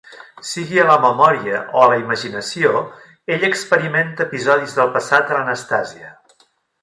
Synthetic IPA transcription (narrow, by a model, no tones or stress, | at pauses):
siɣiələməmɔɾiəʔoələiməʒinəsio | eʎəkspəɾiment̪əːpizɔðizðəlˠpəsat̪ələnəst̪aziə